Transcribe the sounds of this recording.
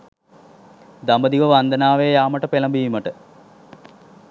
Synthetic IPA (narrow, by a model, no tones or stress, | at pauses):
d̪ambəd̪iʋəʋɐnd̪ənaːʋejaːmɐʈəpelɐmbiʋimɐʈə